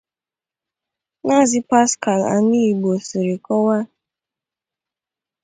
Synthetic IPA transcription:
na˦˨zɪ˦pa˦ska˨la̰˨ni˦i˨ɡ͡bo˨su˨ɾi˨kɔ˦wa˦

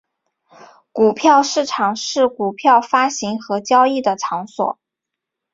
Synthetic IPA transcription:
ku˨˩pʰjɑ˥˧ʊʂɻ̩˥˩ʈ͡ʂʰɑ˨˩ŋʂɻ̩˥˩ku˨˩pʰjɑ˥˩ʊfa˥ɕi˧˥ŋxɤ˧˥t͡ɕjɑ˥ʊi˥˩d̪ə˩ʈ͡ʂʰɑ˧˥ŋswɔ̰˨˩˦

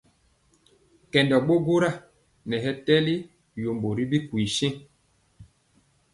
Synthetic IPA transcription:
kɛ˨ndɔ˨ɓo˦ɡo˦ɾa˦˨ | nɛ˨ɦɛ˦tɛ˦li˦ | jo˨mbo˨ɾi˦bi˦kwi˨ʃɛ̃˦

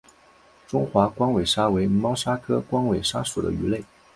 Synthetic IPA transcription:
ʈ͡ʂʊ˥ŋxwa˧˥kwɑ˥ŋwe˨˩ɪʂa˥we˧˥ɪmɑ˥ʊʂa˥kʰɤ˥kwɑ˥ŋwe˨˩ɪʂa˥ʂu˨˩d̪ə̰˦y˧˥le˥˩ɪ

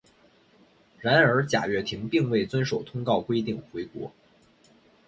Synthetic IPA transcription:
ɻa˧˥nə˞˧˥t͡ɕja̰˨˩ɥɛ˥˩t̪ʰi˧˥ŋpi˥˧ŋwe˥˩ɪt͡swə˥nʂo˨˩ʊt̪ʰʊ˥ŋkɑ˥˩ʊkwe˥ɪt̪i˥˩ŋxwe˧˥ɪkwɔ̰˧˥

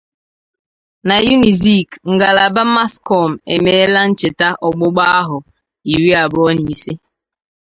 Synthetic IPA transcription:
na˨ju˦ni˨zi˦˨kŋ̩˨ɡa˨la˨ba˦ma˦skɔ˦˨m̩˨ḛ˨meː˦la˦n̩˦t͡ʃɪ˨ta˦ʔɔ˨ɡ͡bʊ˦ɡ͡ba˦a˦ɦʊ˨ | i˨ɾi˦a˨bɔ˦ni˨si˦

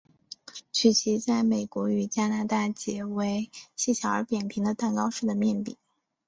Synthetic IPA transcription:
t͡ɕʰy˨˩t͡ɕʰi˧˥t͡sa˥˩ɪme˨˩ɪkwɔ˧˥y˨˩t͡ɕja˥na˧˥t̪a˥˩t͡ɕjɛ˧˥we˧˥ɪɕi˥˩ɕʰjɑ˧˥ə˞˧˥pjɛ˨˩npʰi˧˥ŋd̪ə˧t̪a˥˩nkɑ˥ʊʂɻ̩˥˩d̪ə˩mjɛ˥˩npḭ˨˩˦

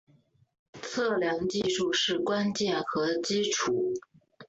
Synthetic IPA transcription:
t͡sʰɤ˥˩ljɑ˧˥ŋt͡ɕi˥˧ʂu˥˧ʂɻ̩˥˩kwa˥nt͡ɕjɛ˥˩nxɤ˧˥t͡ɕi˥ʈ͡ʂʰu˨˩˦

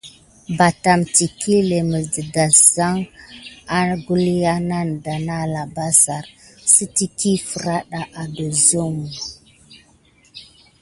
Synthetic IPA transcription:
ba˨ta˨mti˨kʰi˦le˨mə˨də˨da˨sz̥a˦ŋ | a˦ɾɡu˦li˦ja˦na˦nda˨na˦la˨ba˦sa˨ɾsə˦ti˦ki˦fə˨ɾa˦ɗa˨ʔa˨də˨zo˦mu˨

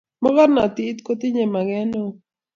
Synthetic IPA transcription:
mɔ˦ɡɔ˦ɾna˨t̪ɪ˦t̪ko˦t̪ɪ˦ɲe˨ma˨ɡɛ˦no˦˨

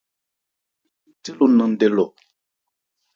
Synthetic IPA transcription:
te˦lu˨nã˨n˦dɛ˦lɔ˨

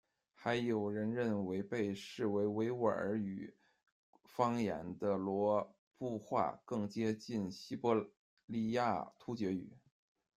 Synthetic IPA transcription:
xa˧˥ɪjo˨˩ʊɻə˧˥nɻə˥˩nwe˧˥ɪpe˥˧ɪʂɻ̩˥˩we˧˥ɪwe˧˥ɪwə̰˨˩ə˞˧˥y˨˩˦ | fɑ˥ŋja̰˧˥nd̪ə˧lwɔ˧˥ | pu˥˧xwa̰˥˩kɤ˥˩ŋt͡ɕjɛ˥t͡ɕi˥˩nɕi˥pɔ˥ | li˥˧ja˥˩t̪ʰu˥t͡ɕjɛ˧˥y̰˨˩˦

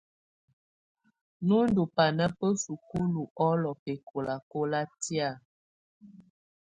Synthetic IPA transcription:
nu˦n˦du˨pa˨nə˦pə˦su˨ku˦lu˨ʔɔ˦lɔ˨pe˨kʰo˨la˨ko˦la˦ti˦a˦˨

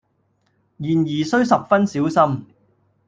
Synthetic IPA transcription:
jiː˨˩njiː˨˩sɵ˥ɥsɐ˨p̚fɐ˥nsiː˨˥wsɐ˥m

